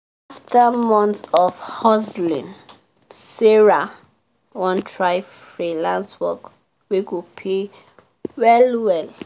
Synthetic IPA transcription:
aftʰəmɔ̃ntsɔvhɔzlḭ̃n | siɹa | wɔ̃ntɹaɪvfɹilãnswɔk | wiɡupʰe | wɛlwɛl

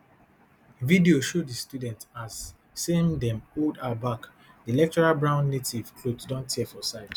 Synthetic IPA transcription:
vidioʃoddistudɛ̃ntasː | eĩŋdɛ̃moldabak | dielɛk̚tɔɹalbɹãʊ̃nːetʰiv̥kʰloddɔ̃ntʰːiɛfɔsaɪt

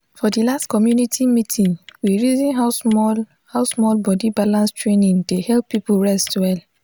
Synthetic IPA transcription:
fɔdilastkɔmjunitʰimitʰĩnwiɹizĩnɦaʊsɔl | haʊsmɔlbɔdibalãnstɹenĩŋdehɛlpːipuɹɛstwɛl

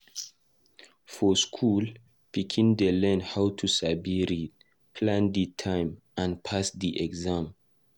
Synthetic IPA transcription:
fɔskʰul | pikʰĩndelɛ̃nhawtʰusabiɾit̚ | pʰlãnditʰãj̃m | ãnpʰasdiʔɛɡzãm

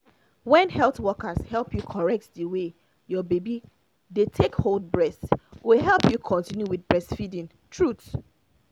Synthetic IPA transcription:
wɛ̃nhɛlˠtwɔkəshɛlˠpʰjukʰɔɹɛk̚tdəwe | jɔbebi | detʰekhold̚bɹɛswiɦɛlˠpjukʰɔ̃ntĩnjuwidbɹɛsfidĩn | tʰɹut

